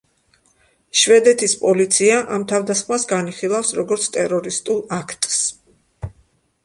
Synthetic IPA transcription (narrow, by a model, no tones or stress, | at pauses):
ʃvɛd̪ɛt̪ʰispʼɔlit̪sʰiaʔamt̪ʰavd̪asχmasɡaniχilˠafsɾɔɡɔɾt̪sʰt̪ʼɛɾɔɾist̪ʼulˠakʰt̪ʼs